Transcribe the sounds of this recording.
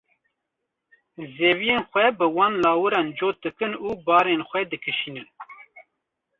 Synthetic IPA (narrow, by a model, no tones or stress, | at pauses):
zeːvijeːnxʷɛbɨwɑːnlɑːwɨɾɑːnd͡ʒoːt̪̚d̪ɨkɨnuːbɑːɾenxʷɛd̪ɨkʰɨʃiːnɨn